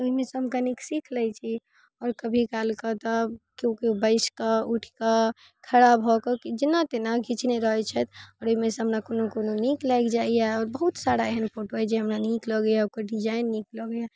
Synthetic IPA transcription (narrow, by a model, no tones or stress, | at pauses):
oɦimẽseɦəmkaniksikʰlɛjt͡ʃʰi | ɔːɾkəbʱikalkət̪ɔkjõkibəɪskəuʈʰkə | kʰəɾabɦɔkəkid͡ʒinat̪enaɡʱit͡ʃneɾəɦɛt͡ʃʰɛt̪ɔɾoɦimẽseɦəmɾakonokononiklajkd͡ʒaijaɔːɾbəɦut̪saɾaeɦenpʰoʈoad͡ʒeɦəmɾanikləɡəjaokəɖid͡ʒainːikləɡəja